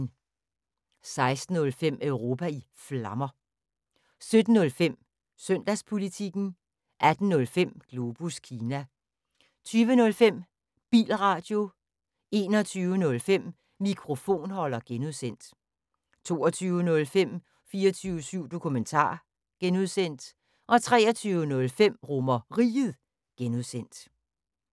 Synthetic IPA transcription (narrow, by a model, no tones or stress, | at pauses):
n | sɑ̈ɪsd̥n̩ːɔ̽lfem̰œʊʁo̝ːpʰæi | flɑ̈mɐ | sød̥n̩ːɔ̽lfem̰ | søn̰d̥æspʰo̝lit͡sʰiɡ̥n̩ | ʔæd̥n̩nɔ̽lfem̰ɡ̥lo̝b̥uskʰiːnæ | t͡sʰyːʋənɔ̽lfem̰ | b̥ḭːlʁɑ̈d̥jo̝ | e̝ːnɒt͡sʰyːʊənɔ̽lfem̰ | mikʰʁo̝fo̝̰ːnhɒ̽lɐɡ̥enuðˠsen̰d̥ | t͡sʰo̝ːɒt͡sʰyːʊənɔ̽lfem̰ | fiːɐt͡sʰyːʊəsyʊ̰d̥o̝kʰument͡sʰɑ̰̈ː | ɡ̥enuðˠsen̰d̥ | ʔɒ̽t͡sʰʁɛ̰ːɒt͡sʰyːʊənɔ̽lfem̰ʁomɐʁḭːð̩ˠ | ɡ̥enuðˠsen̰d̥